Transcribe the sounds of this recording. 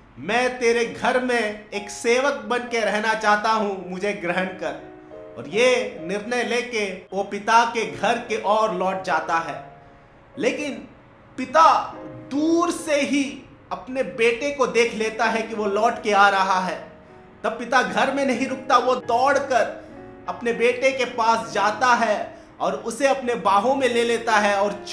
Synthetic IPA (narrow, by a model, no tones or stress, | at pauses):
mɛ̃ːt̪eːɾeɡʱɐɾmẽeːkseːʋək̚bɐnkeɾɛɦnat͡ʃaːɦt̪aɦũmʊd͡ʒʱeɡɾəɦənkɐɾ | ɔ̰ːɾjenɪɾnəjleːkeʋopɪt̪akeɡʱɐɾkeʔɔːɾlɔːʈ̚d͡ʒaːt̪aɦɛː | leːkɪn | pɪt̪ad̪uːɾseɦi | ɐpnebeːʈekod̪eːkʰleːt̪aɦɛkiʋolɔːʈkeaːɾɐɦaɦɛː | t̪ɐb̚pɪt̪aɡʱɐɾmẽnɐɦĩɾʊk̚t̪aʋod̪ɔːɽkəɾ | ɐpnebeːʈekepaːsd͡ʒaːt̪aɦɛ | ɔːɾʊseɐpnebaːɦõmẽleːleːt̪aɦɛɔːɾt͡ʃ